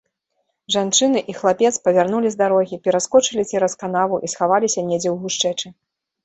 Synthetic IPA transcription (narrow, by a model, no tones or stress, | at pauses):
ʐant͡ʂɨnɨʔixlˠapʲɛt̪spɐvʲarnulʲizd̪aɾɔɣʲipʲɛɾaskɔt͡ʂɨlʲit͡sʲɛɾɐskanavuʔisxavalʲisʲɐnʲɛd͡zʲɛwɣuʂt͡ʂɛt͡ʂɨ